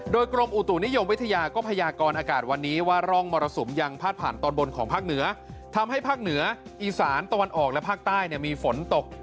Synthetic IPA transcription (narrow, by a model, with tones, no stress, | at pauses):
doː˧jkɾo˧mʔu˨˩t̪u˨˩ni˦˥jo˧mwi˦˥t̪ʰa˧jaː˧kɔː˥˩pʰa˧jaː˧kɔː˧nʔaː˧kaː˨˩t̪̚wa˧nːiː˦˥waː˥˩ɾɔ˥˩ŋmɔː˧ɾa˧so˩˦mja˧ŋpʰaː˥˩t̪̚pʰaː˨˩nt̪ɔː˧nbo˧nkʰɔ̰ː˩˦ŋpʰaː˥˩k̚nɯ˩˦ɐt̪ʰa˧mɦa˥˩jpʰaː˥˩k̚nɯ˩˦ɐʔiː˨˩saː˩˦nt̪a˧wa˧nʔɔː˨˩k̚lɛ˦˥pʰaː˥˩k̚t̪aː˥˩jni˥˩miː˧fo˩˦nt̪o˨˩k̚